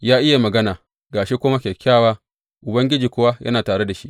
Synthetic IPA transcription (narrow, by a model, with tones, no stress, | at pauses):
jaː˦ʔɪ˦ja˨mɐ˨ɡɐ˦naː˨ | ɡaː˨ʃi˦kʷʊː˦ma˦kʲe˨kʲaː˦˨waː˦ | ʔʊ˨bɐ˦ŋɡʲɪ˦d͡ʒiː˨kʷʊ˦wa˦jʔɐ̰˦naː˨taː˨ɽe˦da˨ʃi˦ʔ